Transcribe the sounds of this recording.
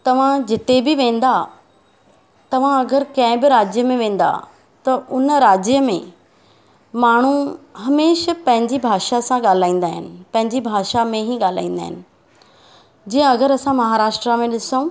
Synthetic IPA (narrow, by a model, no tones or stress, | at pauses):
t̪ɐʋ̤ãd͡ʑɪt̪ebɪʋẽːn̆d̪a | t̪ɐʋ̤ãɐɡəɾkɐ̃ɦɪ̃bɪɾaːd͡ʑjəmẽʋẽːn̆d̪a̰ | t̪ɐʔʊnɾaːd͡ʑjəmḛ̃ | maːɳ̤uɦɐmeːʃpɐ̃ɦɪ̃ɲd͡ʑibʱaːʃasãɠaːl̤aːĩːn̆d̪aːɦɪnɪ̆pɐ̃ɦɪ̃ɲd͡ʑibʱaːʃamẽɦiɠaːl̤a̰ːĩːn̆d̪a̰ːɦɪ̰nɪ̆ | d͡ʑiːə̃ɐɡəɾɐsãmɐɦaːɾaːʃʈɾamẽɗɪsoũ